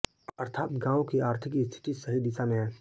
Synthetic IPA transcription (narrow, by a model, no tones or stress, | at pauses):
ɐɾt̪ʰaːt̪ɡãːõkiaːɾt̪ʰɪkist̪ʰɪ̥ʈ̪isɐɦid̪ɪsamẽɦɛ̃ː